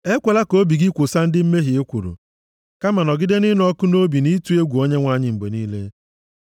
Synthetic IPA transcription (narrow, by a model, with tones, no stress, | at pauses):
e˦kʷe˨la˦ko˦bi˨ɡi˦kʷʊ˨sa˦n̩˦dɪ˦m̩˦me˦ɦi˨e˦kʷu˨ɾo̰˨ | ka˦ma˨nɔ˨ɡɪ˦de˦nɪ˦n˦ɔ˦kʊ˦no˦bi˨ni˦tu˦e˦ɡʷu˨o˦ɲe˦ŋʷa˦˨ɲɪ˦m̩˨be˨niː˦le˦